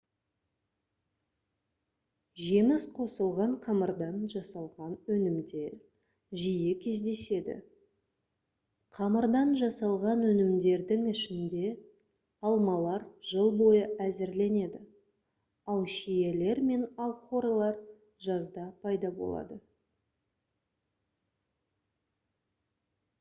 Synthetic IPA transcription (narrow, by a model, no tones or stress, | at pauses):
ʒe̞mɪsqʰo̞səlˠʁɑɴqʰɑməɾd̪ɑnʒɑsɑlˠʁɑnɵnɪmd̪e̞ɾ | ʒijɪkʲʰe̞zd̪e̞se̞d̪ɪ̰ | qʰɑməɾd̪ɑnʒɑsɑlˠʁɑnwɵnɪmd̪e̞ɾd̪ɪŋɪʃɪnd̪e̞ | ɑlˠmɑlˠɑɾʒ̥əlˠbo̞jəʔæzɪɾle̞ne̞d̪ɪ | ɑlˠʃijele̞ɾme̞nɑlˠχo̞ɾlˠɑɾ | ʒɑzd̪ɑpʰɑjd̪ɑbo̞̰lˠɑ̰d̪ə